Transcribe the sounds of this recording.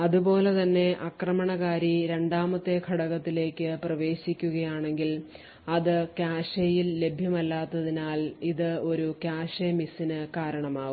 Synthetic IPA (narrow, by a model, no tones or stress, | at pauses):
ɐðubo̞ːle̞t̪ɐnːe̞ʔɐkrɐmɐɳɐɣaːɾiɾe̞ɳɖaːmɐt̪ːe̞kʰɐɽɐɣɐt̪ːile̞ːkʲːɨprɐʋe̞ːɕikʲːuɣɐjaːɳe̞ŋɡil | ɐðɨkjaːɕɐjilːe̞bʱjɐmɐlːaːt̪ːɐðinaːliðɨo̞ɾukaːɕɐmisinɨkaːɾɐɳɐmaːʋum